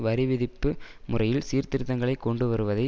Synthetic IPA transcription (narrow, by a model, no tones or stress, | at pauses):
ʋɐɾɪʋɪðɪpːɯ | mʊrɐjɪlsiːɾt̪ɪɾɯt̪ːɐŋɡɐɭɐɪkːɔɳɖɯʋɐɾɯʋɐðɐɪ